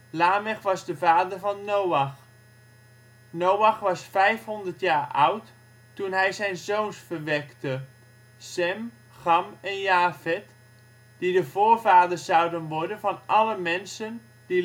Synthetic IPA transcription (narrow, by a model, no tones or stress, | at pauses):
laːmɛχʋɑzdəvaːdəɹvɑnːowɑχ | nowɑχʋɑsfɛjfɦɔndəɹtjaːɹʔʌ̰wtː | unɦɛjzɛjnzownsfəɹʋɛktə | sɛm | χɑmɛnjaːvɛt | d̥idəvʊːɹvaːdəɹsɑwdənʋɔɹdənvɑnɑləmɛnsən | d̥i